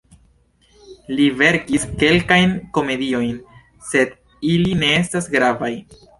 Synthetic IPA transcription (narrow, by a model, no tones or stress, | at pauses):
live̞ɾkiske̞lkajnko̞me̞dio̞jn | se̞d | iline̞estasɡɾavaj